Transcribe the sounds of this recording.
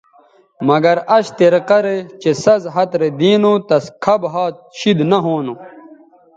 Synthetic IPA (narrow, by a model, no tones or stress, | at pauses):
mɐɡɐɾɐɕt̪eɾqɐɾet͡ɕesɐzɦɐt̪ɾed̪iːnut̪ɐskʰɐbɦaːt̪̚ɕid̪nɐɦoːnu